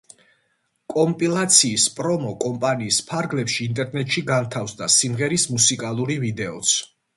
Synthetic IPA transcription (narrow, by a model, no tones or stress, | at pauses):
kʼɔmpʼilˠat̪sʰiːspʼɾɔmɔkʼɔmpʼaniːspʰaɾɡlɛpʃiːnt̪ʼɛɾnɛt̪ʼʃiɡant̪ʰafsd̪asimʁɛɾismusikʼalˠuɾivid̪ɛɔt̪sʰ